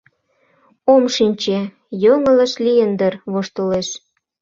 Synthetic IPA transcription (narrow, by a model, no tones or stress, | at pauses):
omʃinʲt͡ɕe | joŋə̆lə̆ʃlijənd̪ərβoʃt̪oleʃ